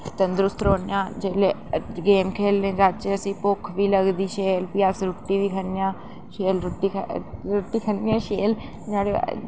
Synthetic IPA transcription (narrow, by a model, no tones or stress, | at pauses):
t̪ənd̪ɾʊst̪ɾoːnjãːd͡ʒeːleːɡeːmkʰeːlnẽːd͡ʒaːt͡ʃeəsĩːpʊkʰʋiːləɡd̪iːʃeːlpɪaːsɾʊʈːiːʋiːkʰənjãː | ʃeːlɾʊʈːiːɾʊʈːiːkʰənjãːʃeːl | d͡ʒaːɽe